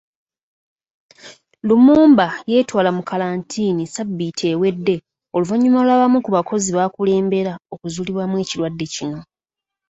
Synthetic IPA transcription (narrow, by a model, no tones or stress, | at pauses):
lumuːmbaje̞ːtwaːlamukalaːntʰiːnisabːitʰe̞we̞dːe̞ | o̞luvaɲːumalaβamukuβako̞ziβaːkule̞ːmbe̞ɾao̞kuzuːliβwamwe̞ːcilwadːe̞cino̞